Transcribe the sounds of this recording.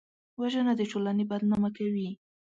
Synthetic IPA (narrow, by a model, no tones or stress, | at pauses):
waʒənad̪əʈolanebad̪nɑmakawi